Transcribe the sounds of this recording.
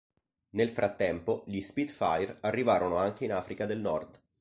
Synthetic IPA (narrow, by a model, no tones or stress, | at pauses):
nelfɾʔat̪ːɛmpoʎispid̪fa̰jrarːivaːɾonoaŋk̟einaːfɾikad̪elnɔrd̪